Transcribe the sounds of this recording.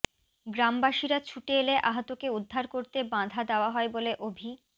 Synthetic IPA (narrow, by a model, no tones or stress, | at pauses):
ɡɾambaʃiɾat͡ɕʰuʈeeleʔaɦot̪okeud̪ʱːaɾkoɾt̪ebãd̪ʱad̪eoaɦɔeboleʔobʱi